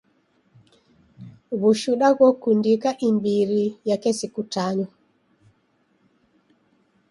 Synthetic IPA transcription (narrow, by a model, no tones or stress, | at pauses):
βuʃuɗaɣɔkundikaʔimbiɾijakɛsikutaɲɔ